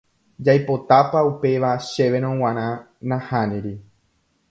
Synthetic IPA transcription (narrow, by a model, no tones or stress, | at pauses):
d͡ʒajpo̞t̪apaupe̞ʋaʃe̞ʋẽ̞ɾ̃õw̃ãɾ̃ã | nãhãnĩɾi